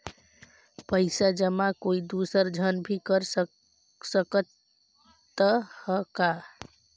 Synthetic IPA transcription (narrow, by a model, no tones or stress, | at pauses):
pəɪsad͡ʒəmakoid̪usəɾd͡ʒʱənbʱikəɾs | səkət̪ː | əhəka